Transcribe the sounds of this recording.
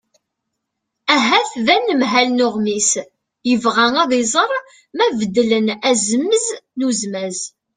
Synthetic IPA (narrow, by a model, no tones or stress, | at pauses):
æɦæθðænːəmɦælnʊʁmis | jəvʁæŋæðˤɪzˤəɾˤ | mævəd̪ːlənæzəmːəznuzmæz